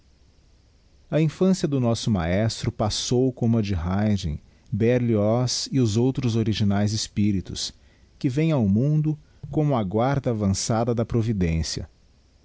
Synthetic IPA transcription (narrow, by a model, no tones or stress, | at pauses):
ɐĩfɐ̃sjɐd̪ʊnɔsʊma̰ɛst̪ɾʊpasowkõmɐd͡ʒɪɦajʒḛ̃j̃ | bɛɾliɔsɪʊzowt̪ɾʊzoɾiʒinajzɪspiɾit̪ʊ̰s | kɪvẽj̃awmũnd̪ʊ | kõmʊɐɡwaɾd̪ɐːvɐ̃sad̪ɐd̪ɐpɾovid̪ẽsjɐ̰